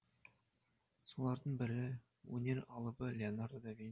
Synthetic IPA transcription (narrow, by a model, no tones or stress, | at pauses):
so̞lˠɑɾd̪əɴbɪɾɪ | wɵ̰nʲe̞ɾɑlˠəbəlʲeonaɾd̪ɑvʲin